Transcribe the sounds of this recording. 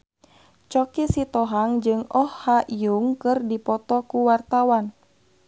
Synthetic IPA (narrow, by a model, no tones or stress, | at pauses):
t͡ʃɔkisit̪ɔɦaŋd͡ʒɨŋɔhːaʔijuŋkɨrdipɔt̪ɔkuwart̪awan